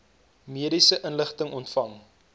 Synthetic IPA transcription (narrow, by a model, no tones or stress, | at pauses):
miəɾisəʔənləχtəŋʔɔntfɐŋ